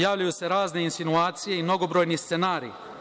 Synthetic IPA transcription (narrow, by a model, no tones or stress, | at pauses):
jaːʋʎajuse̞ɾaːzne̞insinuaːt̪sije̞imno̞ɡo̞bɾojnist̪senaːɾḭ